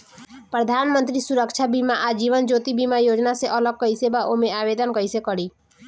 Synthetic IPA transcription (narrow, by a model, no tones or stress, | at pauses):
pɾəd̪ʱanmənt̪ɾisuɾəkt͡ʃʰabimaʔad͡ʒiʋənd͡ʒot̪ibimajod͡ʒnaseʔələɡ̚kəisebaʔomeabed̪ənkəisekəɽi